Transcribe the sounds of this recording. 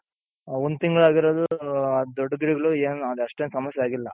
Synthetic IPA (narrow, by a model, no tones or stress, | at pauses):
ond̪ut̪iŋɡɐɭaːɡiɾoːd̪uɐd̪oɖːɐɡiɽiɡɐɭueːnɐd̪uɐʂʈeːnsɐmɐsjeaːɡilːɐ